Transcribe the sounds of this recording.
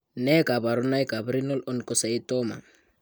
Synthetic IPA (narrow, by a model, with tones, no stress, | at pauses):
nɛ˦ka˨ba˨ɾu˦na˦i˦ka˨bɾi˦nɔ˦lɔ˦nkɔ˦sa˨i˦tɔma̰˨